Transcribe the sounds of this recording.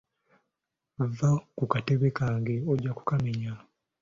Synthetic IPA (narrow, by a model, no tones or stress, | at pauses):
vakukateβekaːŋɡe̞oɟːaku̥kameɲa